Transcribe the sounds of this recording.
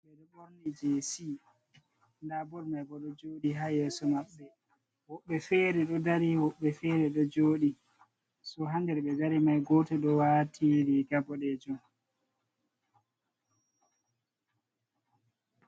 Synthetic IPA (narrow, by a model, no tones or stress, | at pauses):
ɓɛɗɔɓoɾnid͡ʒesi | ndabɔɾmajbɔɗɔd͡ʒoːɗiɦaːjɛsɔmaɓːɛ | wɔɓːɛfɛːɾɛɗɔdaɾiwɔɓːɛfɛɾɛɗɔd͡ʒoːɗi | sɔɦandɛɾɓɛd͡ʒaɾimajɡoːtɛɗɔwaːtʰiɾiɡabɔɗɛd͡ʒum